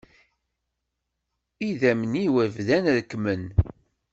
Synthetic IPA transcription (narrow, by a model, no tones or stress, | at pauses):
iðæmniwævðænðkːmən